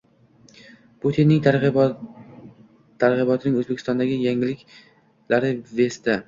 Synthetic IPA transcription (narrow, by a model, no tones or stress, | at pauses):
put̪ʰinːɪŋt̪ | t̪ʰːaɾʁɪbɒt̪ʰɪnɪŋɵzbekʰʲɪ̥st̪ɒnd̪aɡʲɪjaŋɪlɪkʲ | laɾɪve̞st̪ɪ